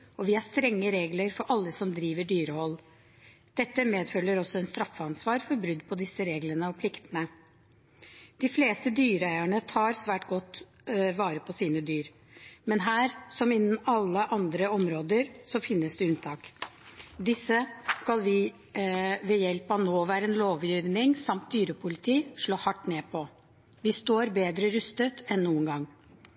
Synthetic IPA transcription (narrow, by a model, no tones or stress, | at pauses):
ɔʋɪhæst̪ɾɛŋːəɾeːɡləɾfɔɾʔɑlːəsɔmd̪ɾiːʋəɖyːɾəhɔlː | d̪̥ɛt̪ːəmeːd̪fœlːəɾɔsːɔɛnst̪ɾɑfːəɑnsʋɑːɾfɔɾbɾʏd̪ːpʰɔd̪ɪsəɾeːɡlənəɔpʰlɪkt̪ənə | d̪̥ɪfleːst̪əd̪yːɾəæɪæɳət̪ʰɑːɾsʋæːʈɡɔt̪ː | ʋɑːɾəpʰɔsiːnəd̪yːɾ | mɛnɦæːɾsɔmɪnːn̩ɑlːəʔɑnd̪ɾəɔmɾoːd̪əɾsɔfɪnːəsd̪ʉʉnt̪ʰɑːk | d̪ɪsːəskɑlʋɪ | ʋɛjɛlpɑnoːʋæːɾəɛnloːʋjiːʋnɪŋsɑmt̪̚d̪yːɾəpʰʊlɪt̪ʰiːʂɭoːhɑʈːneːpʰɔ | ʋɪst̪oːɾbeːd̪ɾəɾʉst̪ət̪ɛnnːuːənɡɑŋː